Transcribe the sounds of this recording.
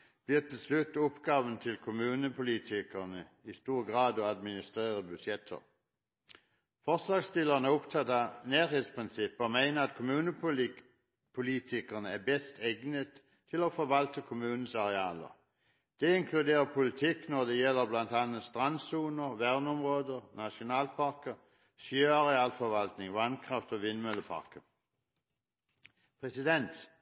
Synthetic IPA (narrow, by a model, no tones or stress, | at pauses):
b̥liːt̪ʰːɪlslʉt̪ːɔpɡ̥ɑːʋənt̪ʰɪlkʰʊmʉːnəpʰʊliːt̪ʰɪkəʁnə | ɪst̪uːʁəɡʁɑːd̪ɔɑd̪mɪnɪst̪ʁeːʁəbʉsɛt̪ʰə̰ʁ | fɔʁslɑːɡst̪ɪləʁnəɔpt̪ʰɑt̪ɑneːʁheːt̪spʰʁɪnsɪpːəɔmæɪnəʁɑt̪kʰʊmʉːnə | pʰʊliːt̪ʰɪkəʁnəæbɛst̪ʰeɡnət̪ | t̪ʰɪlofɔʋɑlt̪ʰəkʰomʉːnən̩sɑʁeɑːlə̰ʁ | d̪̥eɪŋkʰlʉd̪eːɐpʰʊlɪt̪ʰiknɔd̪ejɛləblɑnd̪̥ɑnəst̪ʁɑnsuːnəʁʋæɐn̩ɔmʁoːd̪ənɑɕʊnɑːlpʰɑʁkə | søːɑʁeɑːlfɔʋɑlt̪nɪŋʋɑnkʰʁɑft̪ɔʋɪnmœləpʰɑ̰ʁkə | pʰʁɛsɪd̪ɛnt̪